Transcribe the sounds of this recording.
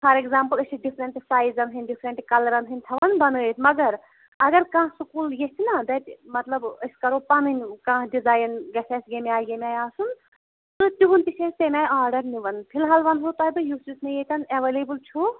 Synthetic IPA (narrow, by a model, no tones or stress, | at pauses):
pʰɐɾekzaːmpɐlɐsiɖipʰɾɐɳʈsaːjzɐnɦɨnɖipʰɾɐɳʈkɐlɐɾɐnɦɨnʲt̪ʰɐʋɐnbɐnɡəjt̪ʰmɐɡɐɾ | ɐɡɐɾkãːɦsukuːljet̪ʰinɐd̪ɐt̪ʲmɐt̪lɐbɐskɐɾoːpɐnɨnʲkãːɦɖizaːjnɡɐsʰeːsɡemiaːjɡemʲaːjaːsun | t̪ɨt̪uʋunpisʰeːst̪emʲaːjaːɾɖɐɾniʋɐnpʰilɦaːlʋɐnɦot̪aːbɨjusisnɐjet̪ɐnɐʋeleːbɨlt͡ʃʰu